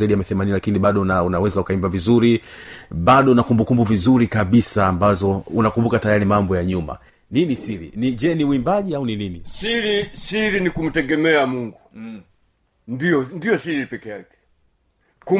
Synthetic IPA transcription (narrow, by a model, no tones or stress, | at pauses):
aiɗijamiθɛmaninilakiniɓaɗɔnaunawɛzaukaimbavizuɾiɓaɗɔunakumbukumbuvizuɾikaɓisaːmbazɔunakumbukatajaɾimambɔjaɲuma̰ | ninisiɾḭniʄɛniuimbaʄiaunininisiɾisiɾinikum̩tɛɡɛmɛamuŋɡu | ndijɔndiɔsiɾipɛkɛjakɛ̥ | ku